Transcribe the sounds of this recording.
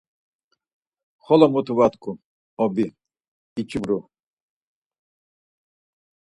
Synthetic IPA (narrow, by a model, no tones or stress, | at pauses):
χɔlɔmut̪ʰuvat̪kʰu | ɔbi | it͡ʃʰibɾu